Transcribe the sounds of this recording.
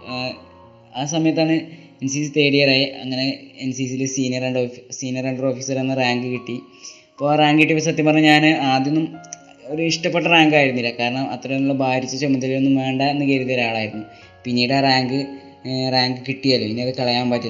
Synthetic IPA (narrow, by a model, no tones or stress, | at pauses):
aːsɐmɐjɐt̪ːaːɳɨ | ensisit̪e̞ːɽijɐraːjiɐ̰ŋːɐne̞ensiːsilɨsiːnijɐreɳɖosiːnjɐreɳɖro̞ːfiːsɐrenːɨraːŋɡɨkiʈːi | ɐpːoːaːraːŋɡɨkiʈːipːɐsɐt̪ːjiɐmpɐrɐɲːɐɲaːnɨaːd̪jɐnːum | o̞ɾuiʂʈɐpːeʈːɐraːŋɡaːjiɾunːilːɐkaːɾɐɳɐmʔɐt̪ːrɐinuɭːɐbʱaːɾit͡ɕːɐt͡ɕemːit̪ːɐlenːumʋeːɳɖaenːɨkeɾut̪ːɐɾaːɭaːjiɾunːu | pinːiːɽɨaːraːŋɡɨ | raːŋɡɨkiʈːijaːlːupinːeɐðɨkɐɭɐjaːmpaːtːi